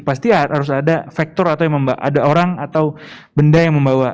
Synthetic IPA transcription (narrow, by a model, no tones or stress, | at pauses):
past̪iaɦaɾʊs̬adafɛk̚t̪ɔɾat̪awjaməmbaʔa̰daoɾaŋat̪awbəndajaŋməmbawa